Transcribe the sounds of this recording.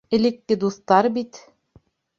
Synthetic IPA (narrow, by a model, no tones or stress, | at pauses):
ɘ̆lɘ̆kːɘd̪uθt̪ɑɾbit̪